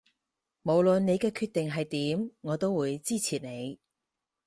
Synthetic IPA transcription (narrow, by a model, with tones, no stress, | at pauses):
mo˨˩wlɵ˨nne˨˧jkɛː˧kʰyː˧t̚t̪e˨ŋɦɐ˨jt̪iː˨˥mŋɔː˨˧t̪o˥wuː˨˧jt͡siː˥t͡sʰiː˨t̚ne˨˧j